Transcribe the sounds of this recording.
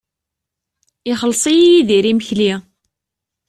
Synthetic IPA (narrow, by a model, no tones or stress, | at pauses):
ɪχəlːsˤijijiðiɾiməçli